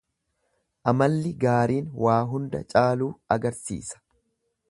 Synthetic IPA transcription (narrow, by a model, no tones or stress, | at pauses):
ʔɐmɐlːɪɡaːɾiːnwaːɦʊnd̪ɐ̰t͡ʃʼaːluːɐɡɐɾsḭːsɐ̥